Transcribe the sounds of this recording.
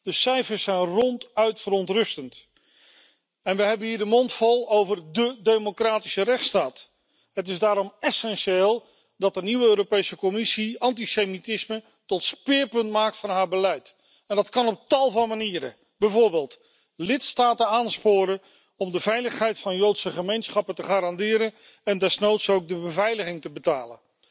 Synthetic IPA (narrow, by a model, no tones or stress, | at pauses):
d̥əsɛjfəɹsɛjnrɔntœɥtfəɾɔntrɵstənt | ɛnʋəɦɛbənɦiːɹdəmɔntfɔlˠowvərdədejmokraːtisərɛχtstaːt | ɦətɪzdaːɾɔmɛsɛnʃeːlˠ | dɑt̚dəniwəøːɾowpejsəkɔmɪsiɑntisejmitɪsmə | tɔtspɪːɹpɵntmaːk̚tfɑnɦaːɹbəlɛjt | ɛndɑtkɑnɔp̚tɑlˠvɑnmaniːɾə̰ | bɛjvʊːɹbeːlˠt | lɪtstaːtənaːnspʊːɾə | ɔmdəvɛjləχɦɛjtfɑnjowtsəχəmejnsχɑpəntəχaːɾɑndɪːɾən | ɛndɛsnowtsowɡ̚dəbəvɛjləχɪŋtəbətaːlə̰n